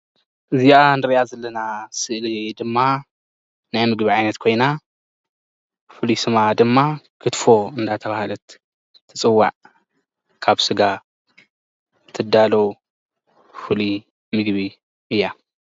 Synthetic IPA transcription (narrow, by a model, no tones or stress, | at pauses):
ʔɨzianɨɾijazɐlːɐnasɨʔlid̪ɨmːa | najmɨɡβiʕajnɐt̪kʰo̞jna | fɨlisɨmad̪ɨmːakʰɨt̪fo̞ɨnd̪at̪ʰɐβahalɐt̪ʰː | ɨt͡sʼɨwːa̰ʕ | kʰaβsɨɡa | t̪ʰɨd̪alow | fɨli | mɨɡβi | ɨjːa